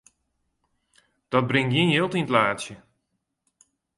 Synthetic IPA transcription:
d̥ɔt̚brɪŋjɪnjɪːlˠtinətlaːtsjə

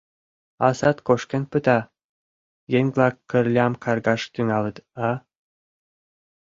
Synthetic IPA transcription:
ɑsɑt̪koʃkʲĕnpɨt̪ɑ | jeŋʲvlˠɑkːɘ̆rlʲɑmkɑrɡɑʃt̪yŋɑlˠɤ̆t̪ɑ

